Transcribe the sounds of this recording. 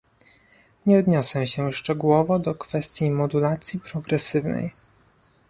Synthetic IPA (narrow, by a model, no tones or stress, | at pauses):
ɲɛɔd̪ɲɔsɛɕɛʂt͡ʂɛɡuwɔvɔd̪ɔkfɛst̪ʲjimɔd̪ulat̪sʲjipɾɔɡɾɛsɘvnɛ̰j